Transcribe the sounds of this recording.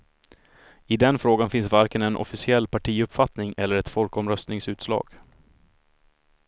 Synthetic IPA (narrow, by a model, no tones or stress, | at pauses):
ɪd̪ɛnfɾoːɡanfɪnsvaɾkənɛnʔɔ̰fɪsɪɛlːpʰaʈʰiːɵpfat̪nɪŋɛlːəɾɛt̪fɔlkɔmɾœst̪nɪŋsʉ̟ːt̪slɑ̰ːɡ̥